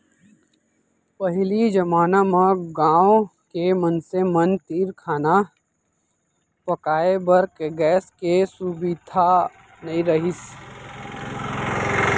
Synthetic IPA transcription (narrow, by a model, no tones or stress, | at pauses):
pɐɦlid͡ʒɐmaːnamãɡãːõkemɐnsemɐnt̪iːɾkʰaːna | pɐkaːebɐɾkeɡɛːskesubid̪ʱa | nɐĩɾɐɦis